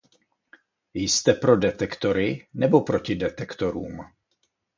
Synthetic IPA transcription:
jst̪ɛpɾo̞dɛt̪ɛkt̪oɾɪnɛbopɾocɪdɛt̪ɛkt̪oɾṵːm

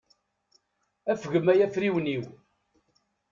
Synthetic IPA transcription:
æfɣəmæjæfɾiwniw

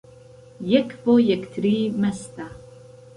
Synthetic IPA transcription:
jɛkbojɛkt̪ʰɾiːmɛst̪a

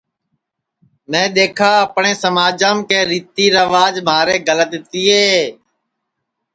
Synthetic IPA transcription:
mɛ̃ːɗ̪eːkʰaːəpɳẽːsəmaːd͡ʒãːmkeːɾiːt̪iːɾəʋaːd͡ʒmaːɾeːɡələt̪t̪iːeː

